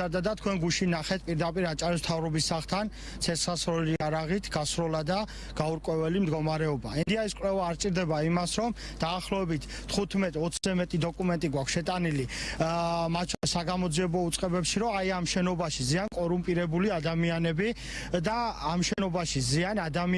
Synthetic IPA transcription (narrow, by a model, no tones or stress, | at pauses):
ad̪ad̪at̪ʰkʰwɛnɡuʃinːaχɛt̪̚ʰpʼiɾd̪apʼiɾat͡ʃʼaɾis̬m̥t̪ʰavɾɔbisaχt̪ʰan | t̪sʰɛsasɾɔliaɾaʁit̪ʰɡ̥asɾɔlad̪a | ɡ̥auɾkʼwɛvɛlimd̪ɡɔmaɾɛɔbaɛnd̪iaiskʼlɛvaːɾt͡ʃʼiɾd̪ɛbaimasɾɔm | d̪̥aːχlɔɛbit̪ʰːχut̪ʰmɛt̪ʼɔt̪sʰzɛmɛt̪ʼid̪ɔkʼumɛnt̪ʼiɡwakʰsʃɛt̪ʼanili | mat̪̚ʰt͡ʃʰɔisaɡamɔd̪ziɛbɔut̪sʼqʼɛbɛpʃiɾɔaiamʃɛnɔbaʃiziankʼɔɾumpʼiɾɛbuliad̪amianɛbi | d̪aːmʃɛnɔbaʃizianad̪ami